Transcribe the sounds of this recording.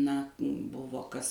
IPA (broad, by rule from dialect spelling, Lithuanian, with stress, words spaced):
nɐ ˈbʊʋoː ˈkɐs